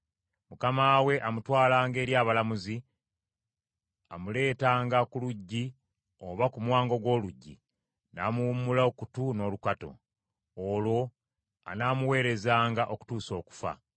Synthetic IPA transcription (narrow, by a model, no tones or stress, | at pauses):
mukamaːwe̞ʔamutwaːlaːŋɡe̞ːɾjaːβalamuzi | a̰mule̞ːtaːŋɡakuluɟːi | oβakumwaːŋɡo̞ɡwo̞ːluɟːi | naːmuumulaokutuno̞ːlukato̞̰ː | lwo̞ | a̰namuwe̞ːɾe̞zaːŋɡaʔo̞ku̥tuːso̞ːku̥fa̰